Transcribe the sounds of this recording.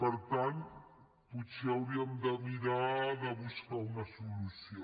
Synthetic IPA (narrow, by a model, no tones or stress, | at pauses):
pəɾt̪ant̪ | put͡ʃiawɾiəmd̪əmiɾaðəβuskawnɐsulusjo